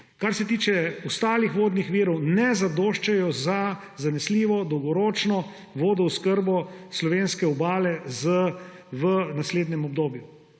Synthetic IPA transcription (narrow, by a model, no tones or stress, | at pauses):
kaɾsɛt̪iːt͡ʃɛɔst̪aːlixʋoːd̪nixʋiːɾɔwnɛzad̪oːʃt͡ʃɛjɔza | zanɛsliːʋɔd̪ɔwɡɔɾoːt͡ʃnɔ | ʋoːd̪ɔuskəɾbɔslɔʋeːnskɛɔbaːlɛzə | ʋənasleːd̪nɛmɔb̚d̪oːbju